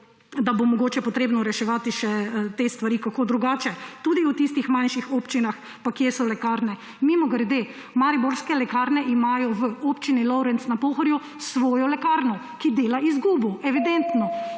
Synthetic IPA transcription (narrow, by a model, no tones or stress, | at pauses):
d̪abomɔɡoːt͡ʃɛpɔt̪ɾeːbnɔɾɛʃɛʋaːt̪iʃɛt̪est̪ʋaɾikakoːd̪ɾuɡaːt͡ʃɛt̪ud̪iut̪ist̪ixmanʃixoːpt͡ʃinax | pakjɛsɔlɛkaːɾnɛ | mimɔɡɾd̪e | maɾiboɾskɛlɛkaɾnɛʔimaːjɔʋəopt͡ʃinilɔwɾɛnt̪snapoːxɔɾju | sʋɔːjɔlɛkaɾnɔ | kid̪eːlaizɡuːbɔɛʋid̪ɛnt̪nɔ